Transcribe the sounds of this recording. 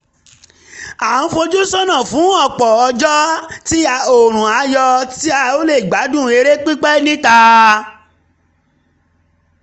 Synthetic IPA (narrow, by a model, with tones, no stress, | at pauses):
a˨n̩˦fo˧d͡ʒu˦sɔ˦nã˦˨fũ˨˦ɔ˦˨k͡pɔ˨ɔ˧d͡ʒɔ˦ti˦a˧o˨ɾ̃ũ˨a˨˦jɔ˧ti˦a˧o˦le˦˨ɡ͡ba˨˦dũ˦˨e˧ɾe˦k͡pi˦k͡pɛ˦nĩ˦ta˧